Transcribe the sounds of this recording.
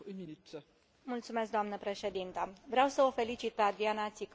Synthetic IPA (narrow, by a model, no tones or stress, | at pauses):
mult̪sume̞s̬k̚d̪oamnəpɾe̞ʃe̞d̪int̪əvɾeawsəofe̞lit͡ʃit̪̚pe̞ad̪ɾianat̪sik